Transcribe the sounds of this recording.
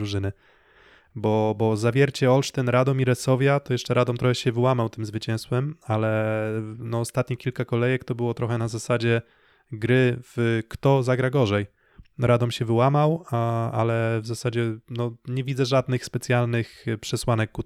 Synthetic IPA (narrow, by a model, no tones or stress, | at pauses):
ɾuʐɘnɘ | bɔbɔzavʲjɛɾt͡ɕɛɔlʂt̪ɛnɾad̪ɔmiɾɛsɔvʲjat̪ɔjɛʂt͡ʂɛɾad̪ɔmt̪ɾɔxɛɕɛvɘwamawt̪ɘmzvɘt͡ɕɛ̃w̃st̪wɛmalɛ | nɔːst̪at̪ɲikʲilkakɔlɛjɛkt̪ɔbɘwɔt̪ɾɔxɛnazasad͡ʑɛ | ɡɾɘv̥kt̪ɔzaɡɾaɡɔʐɛj | ɾʔad̪ɔmɕɛvɘwamawaa̰lɛvzasad͡ʑɛnɔɲɛvʲid̪zɛʐad̪nɘxspɛt̪sʲjalnɘxpʂɛswanɛkːu